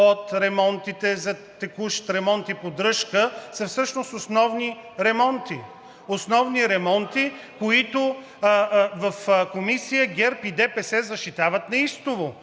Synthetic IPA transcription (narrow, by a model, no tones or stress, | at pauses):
ot̪ɾɛmɔnt̪it̪ɛzɐt̪ɛkuʃt̪ɾɛmɔnt̪ipod̪ɾɤʃkəsɐfsɤʃnososnɔvniɾɛmɔnt̪i | osnɔvniɾɛmɔnt̪i | koit̪ʊ | vɐfkomisijəɡʲɛɾpid̪ɛpɛsɛzɐʃt̪it̪avət̪nɐist̪ʊvo